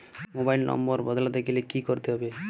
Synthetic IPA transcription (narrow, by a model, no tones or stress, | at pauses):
mobailnɔ̰mbɔɾbɔd̪ʱlad̪ekʰilekikɔɾt̪eɦɔbe